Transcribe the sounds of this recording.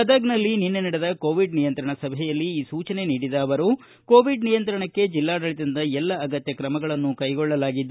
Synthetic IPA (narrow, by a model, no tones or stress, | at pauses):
ɐd̪ɐɡnɐlːininːenɐɽed̪ɐkoːʋiɖnijɐnt̪ɾɐɳɐsɐbʱɛjɐlːiːsuːt͡ʃɐne̞niːɽid̪ɐːʋɐɾu | ko̞ːʋiɖnijɐnt̪ɾɐɳɐkːe̞d͡ʒilːaːɽɐɭit̪ɐnd̪ɐɛlːɐːɡɐt̪jɐkɾɐmɐɡɐɭɐnːukɐjɡɔɭːɐlaːɡid̪ː